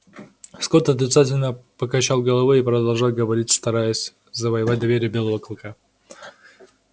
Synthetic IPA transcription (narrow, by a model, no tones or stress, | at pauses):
skot̪ɐt̪ɾʲɪt̪satʲɪlʲnəpəkɐt͡ɕalˠɡəlˠɐvoipɾəd̪ɐlˠʐalˠɡəvɐɾʲitʲst̪ɐɾajəsʲ | zəvəjɪvat̚ʲd̪ɐvʲeɾʲɪjəbʲe̞lˠəvəklˠka